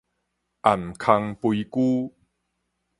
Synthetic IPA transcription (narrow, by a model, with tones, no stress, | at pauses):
ʔa˨˩mkʰa˧ŋpui˧kuː˦